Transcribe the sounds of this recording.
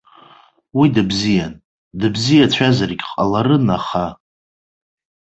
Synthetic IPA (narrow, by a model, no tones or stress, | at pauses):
widɨbzijan | dɨbzijat͡ɕʷʰazarɡʲqʼalaɾɨnaχa